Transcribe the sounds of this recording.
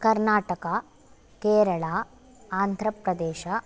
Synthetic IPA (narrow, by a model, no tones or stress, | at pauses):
kɐɾnaːʈɐkɐ | keːɾɐɭaː | aːnd̪ʱɾɐpɾɐd̪eːʃɐ